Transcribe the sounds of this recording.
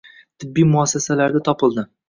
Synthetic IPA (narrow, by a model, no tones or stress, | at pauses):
t̪ʰɪbːijmʊasːasalaɾd̪at̪ʰɒpʰɨlˠd̪ɪ